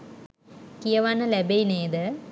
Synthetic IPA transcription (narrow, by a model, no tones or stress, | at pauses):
kijɐʋanːəlæbeineːd̪ə